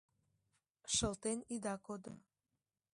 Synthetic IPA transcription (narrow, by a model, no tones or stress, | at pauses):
ʃəlt̪enid̪ɑkod̪o̰